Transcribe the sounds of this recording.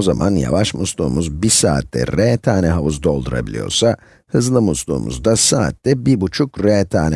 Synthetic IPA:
ozamʔanja̰vaʃmuslˠuːmuzbisa̰ːt̪ːɛ̰ɾɛt̪ʰaːnɛɦavuzd̪o̞lˠd̪uɾa̰bilʲḭjo̞̰ɾsa | hɯzlˠɯmuslˠṵːmṵzd̪asaːt̪ːɛbibut͡ʃʰukɾɛt̪ʰaːnɛ

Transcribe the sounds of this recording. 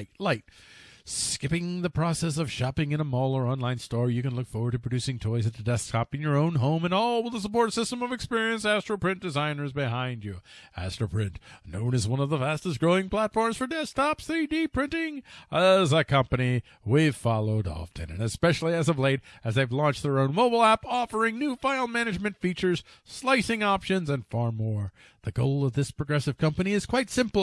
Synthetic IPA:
ɪtlaɪt̚ | skɪpɪ̃ŋðɨpʰɹ̥ɑsɛs̬ʌv̥ʃɑpɪ̃ŋɨ̃ñəmɔlˠə˞ɑ̃nlãɪ̃nstɔɹjɨkɨ̃nlʊkfɔɹwə˞d̚tʰɨpʰɨdʉsɪ̃ŋtʰɔɪzɨt̪̚ðɨdɛs̚tʰɑpɨ̃njə˞õʊ̃nɦõʊ̃mɨ̃nɔlˠwəðəs̬əpɔɹtsɪstə̃mʌvɨkspɪɹiɨ̃nsæstɹ̥əpʰɹ̥ɪ̃n̚d̥ɨzãɪ̃nə˞zbɨɦãɪ̃nd͡ʒɨæstɹəpʰɹ̥ɪ̃nʔnõʊ̃nɨzwʌ̃nʌvðəfæstɨst̚ɡ̥ɹoʊɪ̃ŋpʰl̥ætfɔɹmz̥fə˞dɛstʰɑpsθɹidipʰɹ̥ɪ̃ntɪ̃ŋəzəkʰʌ̃mpɨni | wiv̥fɑlˠoʊɾɔ̰ftʰɨ̰̃nɨ̰̃nɨspɛʃl̩ˠiɨzʌvleɪɾɨzðeɪvlɔ̃nt͡ʃ̚ðə˞õʊ̃nmoʊbl̩ˠæpɔfə˞ɪ̃ŋnʉfaɪlˠmænɨd͡ʒmɨ̃ntfit͡ʃə˞z̥ | slaɪsɪ̃ŋɑpʃɨ̃nzɨ̃nfɑɹmɔɹ | ðɨɡoʊlˠʌvðɪspʰɹ̥ɨɡɹɛsɨv̥kʰʌ̃mpɨniɨz̥kʰw̥aɪtsɪ̃mpl̩ˠ

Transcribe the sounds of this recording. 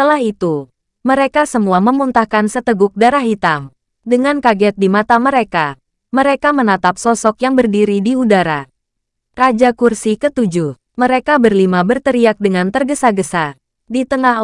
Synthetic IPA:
ət̪əlahit̪u | məɾekasəmuaməmunt̪ahkansət̪əɡʊk̚daɾaɦit̪am | dəŋankaɡɛt̪̚dimat̪aməɾeka | məɾekamənat̪ap̚sɔsɔkjaŋbərdiɾidiudaɾa | rad͡ʒakursikət̪ud͡ʒuh | məɾekabərlimabərt̪əɾiak̚dəŋant̪ərɡəsaɡəsa | dit̪əŋa

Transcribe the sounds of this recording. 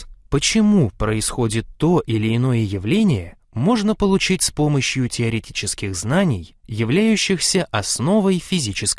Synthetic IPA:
pət͡ɕɪmupɾəɪsxo̞dʲɪt̪ːo̞ʔɪlʲɪɪno̞jəjɪvlʲenʲɪjə | mo̞ʐnəpəlˠʊt͡ɕitʲspo̞məɕjʊtʲɪɐɾʲɪtʲit͡ɕɪskʲɪɣznanʲɪjjɪvlʲæjʉɕːɪxsʲəʔɐsno̞vəjfʲɪzʲit͡ɕɪsk

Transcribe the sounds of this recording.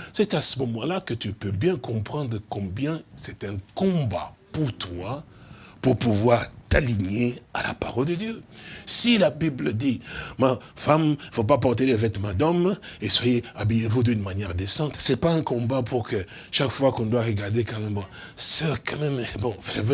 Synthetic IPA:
sɛt̪asəmɔmɑ̃lakət̪ypøbjɛ̃kɔ̃pχɑ̃d̪ʁəkɔ̃bjɛ̃sɛt̪ɛ̃kɔ̃bapuʁt̪wapuʁpuvwaʁt̪aliɲeala̰pa̰ʁɔld̪əd̪jøsilabibləd̪imafamfop̬apɔʁt̪elɛvɛt̪mɑ̃d̪ɔmeswajeabyjevud̪ynmanjɛʁd̪esɑ̃t̪sɛpaɛ̃kɔ̃bapuʁkəʃakfwakɔ̃d̪waʁəɡaʁd̪ekalẽmɑ̃ | sɛʁkãmɛmɛbɔ̃əvø

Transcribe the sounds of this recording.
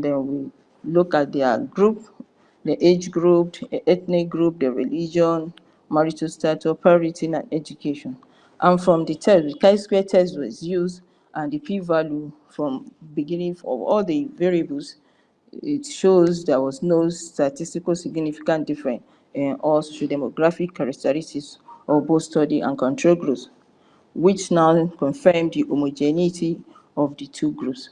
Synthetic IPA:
ndɛ̃nwi | lukat̚dɛɡɹup̚ | dəʔed͡ʒɡɹup̚ʔɛθnik̚ɡɹup̚dəɹḭlid͡ʒɔ̃n | maɹitũstat͡ʃɔpʰɹaɔɹitʰiã̰nɛd͡ʒukʰeʃɔ̃n | ʔãnfɹɔ̃mditʰɛsdikãɪskwɛtʰɛstwɔzjuzd | ʔãndipʰivalju | fɹɔ̃mbiɡĩnĩŋfɔ̰vɔ̰ldiveɹiebəls | itʃozdɛwɔznostatistikolsiɡnifikãntdifɹɛ̃n | ĩnɔltɹudɛmoɡɹafikʰːaɹak̚tʰɛɹitisɔbostɔdiʔã̰nkʰɔ̃ntʰɹolɡɹops | wit͡ʃnaʊkɔ̃nfɛmdiʔomod͡ʒɛnitʰi | ɔvdətʰuɡɹups

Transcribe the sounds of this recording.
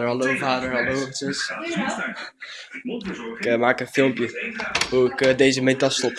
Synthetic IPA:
əɹɦɑlowvaːdəɹɦɑlowt͡ʃəs | ɪkəmaːkənfɪlˠmpjəɦuɪkədejzəmɛntɑstɔp

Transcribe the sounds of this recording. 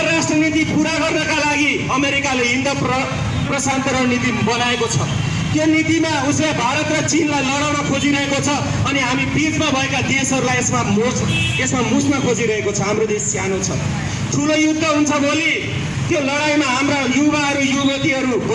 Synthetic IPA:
ɾasʈrʌnit̪ipuɾaɡʌrnʌkalaɡi | ʌmeɾikaleɦind̪ʌp | prʌsant̪ʌɾʌnit̪ibʌnaekot͡sʰʌ | t̪jonit̪imauslebʱaɾʌt̪rʌt͡sinlajlʌɽawnʌkʰod͡ziɾʌɦekot͡sʰʌ | ʌniɦamipid͡zmabʱʌekad̪esʌɾulajesmam | esmamusmʌkʰod͡ziɾʌɦekot͡sʰʌɦamrod̪esːjanot͡sʰʌ̰ | ʈ̪ʰulojud̪ʱːʌɦunt͡sʰʌbʱoli | t̪jolʌɽajmaɦamrajubaɦʌɾujubet̪iɦʌɾub

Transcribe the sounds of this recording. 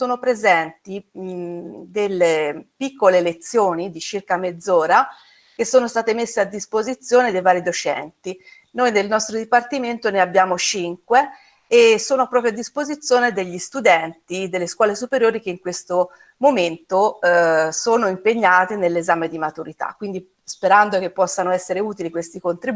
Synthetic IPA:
soːnopɾezɛnt̪i | d̪elːepikːolelet̪sːjoːnid̪it͡ʃirkamed̪zːoːɾa | k̟esːoːnost̪aːt̪emesːead̪ːispozit̪sːjoːned̪ejvaːɾid̪ot͡ʃɛ̰nt̪i | nojnelnɔst̪ɾod̪ipart̪iment̪oneabːjaːmot͡ʃiŋkweː | sːoːnopɾɔːpɾjoad̪ːispozit̪sːjoːned̪eʎːist̪ud̪ɛnt̪id̪elːeskwɔːlesupeɾjoːɾik̟eiŋkwest̪o | moment̪o | soːnoimpeɲːaːt̪enelːezaːmed̪imat̪uɾit̪a̰kːwind̪i | speɾand̪ok̟epːɔsːanoɛsːeɾeuːt̪ilikwest̪ikont̪ɾi

